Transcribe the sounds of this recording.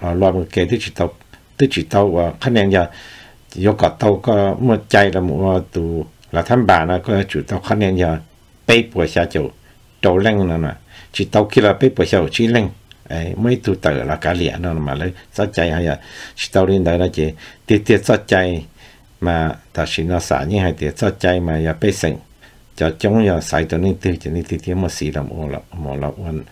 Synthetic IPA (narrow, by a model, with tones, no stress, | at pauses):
la˧lwa˧mə̃˧ke˧t̪i˦t͡ʃi˧t̪a˧w | t̪i˦t͡ʃi˨t̪a˧wa˧kʰa˦nẽ˧nja˧ | jo˧ka˨t̪a˧wka˦mə̃˧tʲa˧jla˧mṵ̃˨˧a˧t̪u˧ | la˨t̪ʰa˦mba˨nã˧kɔ˦ja˧t͡ʃu˨t̪a˧wkʰa˦nẽ˧nja˧ | pe˦jpwe˨sja˧kʲo˨ | t̪ʲo˧wlẽ˧ŋnã˧nã̰˨t͡ʃi˧t̪a˧wki˦˧la˧pe˦pwe˨sa˧u˨t͡ʃi˧lẽ˧ŋe˧mə̃˦ĩ˦t̪u˧t̪a˧˨la˧ka˧lja̰˨ʔnã˧nã˧mã̰˨lə˧˦t͡sa˦tʲã˧jhã˧ja˧t͡ʃi̥˧t̪a˧ɾĩ˧nd̪a˧nã˧kʲe˧t̪i˧t̪e˧t͡sa˦tʲã˧j | mã˧t̪a˨ʃi˧nã˧sa̰˨ɲĩ˦˧hã˧t̪e˨˧t͡sa˦tʲã˧jmã˧ja˧pe˦sḛ˧˨ŋ | t̪ʲa˧˨t̪ʲõ˦ŋja˧sa̰˧jt̪o˧nĩ˧t̪ɨ˧t̪ʲe˧˨nĩ˧t̪i˧t̪e˧˦mõ˧si˧la˧˨m̰˧˨õ˧la̰˧mõ̰˨la̰˧ʔwa˧n